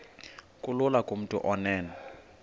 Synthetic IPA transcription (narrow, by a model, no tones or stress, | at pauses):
kʼʊlʊlakʼom̩tʼʊ̰ʔɔnɛːnɛ